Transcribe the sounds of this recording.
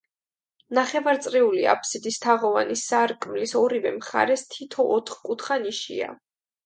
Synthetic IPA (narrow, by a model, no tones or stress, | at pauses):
naχɛvaɾt̪sʼɾiulia̰pʰsid̪ist̪ʰaʁɔvanisːaɾkʼmlisɔɾivɛmχa̰ɾɛst̪ʰit̪ʰɔʔːt̪ʰχkʼut̪ʰχaniʃḭa̰